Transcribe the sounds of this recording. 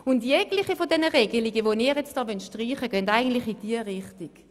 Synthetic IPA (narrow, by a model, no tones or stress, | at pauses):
ʊntjɛɡlɪχifodɛnəʁeːɡəliɡəʋoniːʁjɛt͡std̥ɑːʋœntʃtʁiːχəɡœndaɪɡən̩tlɪχid̥iəʁɪχtɪɡ̥